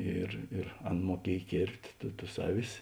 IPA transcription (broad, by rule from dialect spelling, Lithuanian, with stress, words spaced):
ˈɪr ɪr ˈɐn muɔˈkʲiɛj ˈkʲeːrʲpʲtʲ tʊ tʊs ˈɑːˌʋʲɪs